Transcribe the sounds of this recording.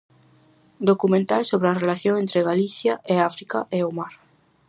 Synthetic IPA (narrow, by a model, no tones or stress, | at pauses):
d̪okumẽnt̪alsoβɾeɐrelaθjõŋẽnt̪ɾeɣaliθjaʔeafɾikaʔeomaɾ